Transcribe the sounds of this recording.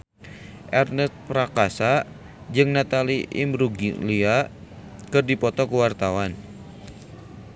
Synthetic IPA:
ʔɛrnəst̪̚pɾakasa | d͡ʒɨŋnat̪aliʔḭmɾuɡlia | kɨrdipɔt̪ɔkəwart̪awan

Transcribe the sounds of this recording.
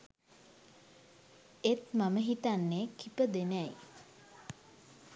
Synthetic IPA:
et̪maməɦit̪anːeːkʰipəd̪enæj

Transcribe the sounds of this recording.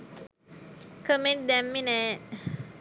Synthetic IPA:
kəmet̚d̪ɛmːinɛ

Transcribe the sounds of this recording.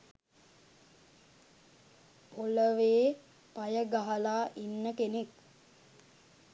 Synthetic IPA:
oləʋeː | pajəɡaɦəlaːʔinːəkenek

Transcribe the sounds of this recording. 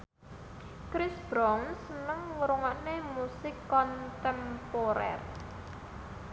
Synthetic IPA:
kɾɪsb̥ɾɔŋsənəŋwuɾuŋaʔnemusɪkːɔnt̪ɛmpoɾɛ̰r

